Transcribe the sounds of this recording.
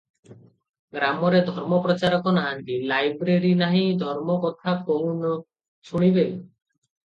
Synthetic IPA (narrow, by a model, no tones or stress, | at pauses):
ɡɾamɔɾed̪ʱɔɾmɔpɾɔt͡ʃaɾɔkɔnaɦant̪ilajbɾeɾinaɦĩd̪ʱɔɾmɔkɔt̪ʰakoɦunɔ | t͡ʃʰuɽ̃ibe